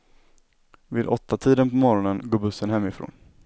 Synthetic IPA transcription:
vɪːd̪ɔt̪ːat̪ʰiːd̪ənpɔmɔɾɔnənɡoːbɵsːənɦɛmːɪfɾo̰ːn

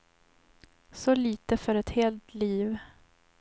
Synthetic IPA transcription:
sɔliːt̪əfœɾɛt̪heːlt̪liːv

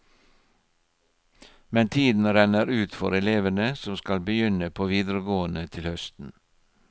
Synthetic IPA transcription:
mɛnt̪ʰiːd̪n̩ɾænəɾʉːt̪fɔ̰ɾɛleːʋənəsɔmskɑlbəjʏnəpʰoːʋiːd̪ɾəɡoːənət̪ʰɪlhœst̪n̩

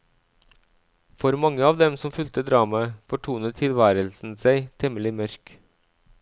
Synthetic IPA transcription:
fɔɾmɑŋəɑːʋd̪ɛmsɔmfʉlt̪əd̪ɾɑːmɑfɔʈʰuːnət̪ʰːɪlʋæːɾəlsn̩sæɪt̪ʰɛməlɪmœɾk

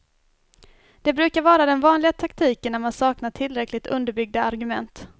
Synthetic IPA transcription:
d̪̥ɛbɾʉ̟ːkaɾvɑːɾad̪ɛnvɑːnlɪɡat̪ʰakt̪ʰiːkənːæɾmansɑːknaʈʰɪlːɾɛkːlɪt̪ʰɵ̰nd̪əɾbʏɡ̚d̪aaɾɡɵmɛnt̪

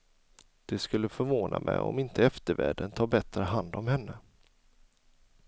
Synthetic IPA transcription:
d̪̥ɛskɵlːəfœɾvoːnamʔɛjɔ̰mɪnt̪əɛft̪əɾvæːɖənt̪ʰɑːbɛt̪ɾəɦand̪ɔmhɛnːə

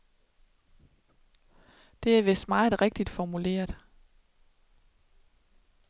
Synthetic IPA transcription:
d̥e̝æʋe̝sd̥mɑ̈ːð̩ˠʁɛɡ̥̚d̥id̥fɒmule̝̰ːɐð̥ˠ

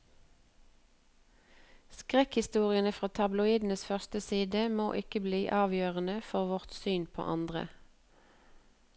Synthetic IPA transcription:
skʁɛkhɪst̪uːʁɪənəfʁɑːt̪ʰɑblʊiːd̪n̩əsfœʁst̪əsiːd̪əmo̰ːʔɪkəbliːʔɑːʋjøːʁənəfɔʁʋɔʁt̪syːnpʰo̰ːʔɑnd̪ʁə̰

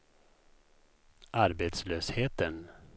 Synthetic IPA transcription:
ʔaɾbeːt̪sløːsheːt̪ən

